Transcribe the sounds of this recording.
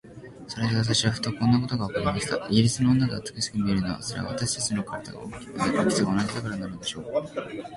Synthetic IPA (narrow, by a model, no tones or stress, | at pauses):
so̞ɾe̞d̪eβat̪̬aɕiβaɸɯ̥t̪o̞kõ̞nːak̬o̞t̪oɡaokaɾʲimaɕi̥t̪a̰ʔiiɾʲit͡sɨno̞ːnːaɡ̪aːt͡sɨ̥kɯ̟ɕi̥kɯ̟mʲie̞ɾɯ̟noβa̰so̞ɾḛa̰βa̰t̪aɕi̥t̪at͡ɕino̞kʰaɾad̪a̰ɡa̰o̰kkʲi̥masḛ̃okʲi̥t͡sɨɡaonad͡ʑid̪akaɾananɯod̪e̞ɕo̞ː